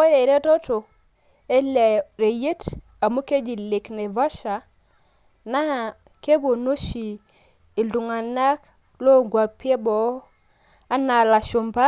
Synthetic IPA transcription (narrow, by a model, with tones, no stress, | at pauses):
e˦ɾe˨ɾe˦to˦to˨ | e˦le˨ɾe˨je˦t | a˨mu˦ke˦d͡ʒi˨le˨kne˨vɔ˦ʃa˨ | na˦˨ | ke˦bo˨no˦ʃi˨ | i˨ldu˨ŋa˨na˦k | lo˦ŋɡwa˨pi˦e˦bɔ˦ | a˦na˨la˨ʃo˨mba˦